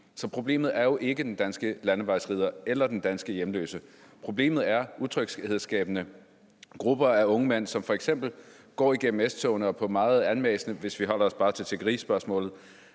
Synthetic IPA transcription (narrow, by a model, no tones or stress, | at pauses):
sɒ̽pʰʁo̝b̥le̝̰ːmð̞̩ˠæɐjo̝ʔe̝ɡ̥əd̥end̥ænsɡ̥əlænəʋɑ̈ɪsʁiːð̞ˠɐelɐd̥end̥ænsɡ̥əjemlø̰ːsə | pʰʁo̝b̥le̝̰ːmð̞̩ˠæɐuðˠt͡sʰʁœɡ̥seðˠsɡ̥ɛ̰ːb̥ənə | ɡ̥ʁub̥ɐæɔ̽ŋəmen̰sɒ̽mfɒ̽eɡ̥sem̰b̥l̩ | ɡ̥ɒ̰ːiɡ̥em̰m̩esd̥t͡sʰɔːnəɒ̽pʰɒ̽mɑ̈ːð̩ˠænmḛːsnəʋe̝sʋiɦɒ̽l̰ɐɒ̽sb̥ɑ̈ːt͡sʰe̝t͡sʰe̝ɡ̥ɐʁḭːsb̥ɶɐsmɔ̰̽ːlð̩ˠ